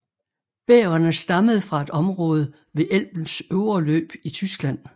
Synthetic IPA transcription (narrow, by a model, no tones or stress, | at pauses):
b̥eːɐnəsd̥ɑ̈məð̞̩ˠfʁɑ̈e̝d̥ɒ̽mʁɔ̽ːð̞ˠə | ʋe̝ʔel̰b̥n̩søʊɐlø̰ːb̥it͡sʰysɡ̥læn̰